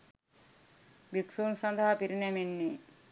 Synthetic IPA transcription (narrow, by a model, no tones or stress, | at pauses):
biksuːnsɐnd̪ʱɐɦɐpiɾinemenːi